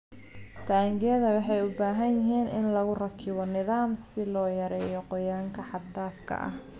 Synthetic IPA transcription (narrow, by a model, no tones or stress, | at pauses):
t̪ʰaːŋɡɐðɐwɑħɑjʊbaːɦɐnjɪɦiːnʔɪnlɐɣʊrɐkʰɪβɔnɪðaːmsɪlɔːjɐɾɛːjɔqɔjaːŋkʰɐħɑdd̪aːfkʰɐ̰ʔɐ̰h